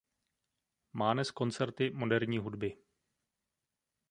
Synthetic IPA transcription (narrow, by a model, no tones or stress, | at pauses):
maːmɛsko̞nt͡sɛɾt̪ɪmo̞dɛɾɲiːɦudbɪ